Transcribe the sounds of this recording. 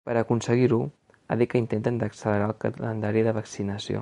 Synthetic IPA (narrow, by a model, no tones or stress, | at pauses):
pəɾəkunsəɣiɾu | a̰ðikəint̪ent̪ənd̪əksələɾalˠkələ̰nd̪aɾiðəβəksinəsio̰